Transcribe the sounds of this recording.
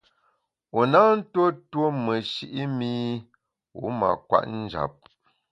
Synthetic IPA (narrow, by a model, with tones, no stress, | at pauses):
o˨na˦n̩˦two˦two˦mə˨ʃi˦ʔi˦mi˦ | ṵ˨˦ma̰˨kwa̰˦˨ʔn̩˦d͡ʒa̰˨p̚